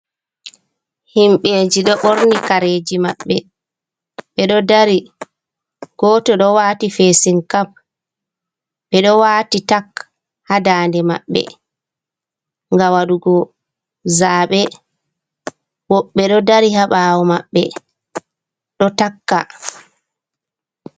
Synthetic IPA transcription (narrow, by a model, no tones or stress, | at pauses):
himɓeːd͡ʒiɗɔɓoɾnikaɾeːd͡ʒima̰ɓːɛ | ɓɛɗɔdaɾi | ɡ̥ɔtɔɗɔwaːtifeːsiŋkam | ɓɛɗɔwaːtitak | hadaːndɛma̰ɓːɛ̰ | ŋɡawaɗuɡɔ | zaːɓɛ | wɔɓːɛɗɔdaɾihaɓaːwɔmaɓːɛ̰ | ɗɔtakːa̰